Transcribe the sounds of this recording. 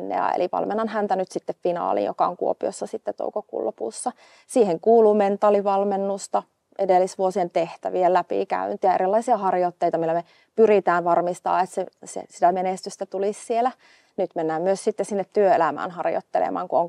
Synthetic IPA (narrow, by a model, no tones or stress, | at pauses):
nːḛjɑ̰ḛliʋɑ̰lmenːɑnhænt̪ænyt̪sit̪ːeffinɑ̰ːlḭːjo̰kɑo̰ŋkuo̰pio̰sːɑsit̪ːet̪o̰ukokṵlːopṵːsːɑ | siːheŋkuːluːment̪ːˑɑːliʋɑlmenːust̪ɑ | ʔedelːisʋuosient̪eht̪æ̰ʋielæpḭːkæ̰ynt̪iɑerilːɑisiɑhɑrjot̪ːeit̪ɑmilːæme | pyrit̪æːnʋɑrmist̪ɑ̰ːet̪sesḛsit̪æmenest̪yst̪æt̪ulissielæ | nyt̪menːæːmmyøssit̪ːessinːet̪t̪yøelæmæ̰ːnhɑrjo̰t̪ːelḛmɑ̰ːŋkuoŋ